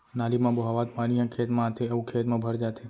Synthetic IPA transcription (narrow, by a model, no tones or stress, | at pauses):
nalimãboɦaʋat̪̚panijãkʰet̪mãt̪ʰeɐʋũkʰet̪mãbʱəɾd͡ʒat̪ʰe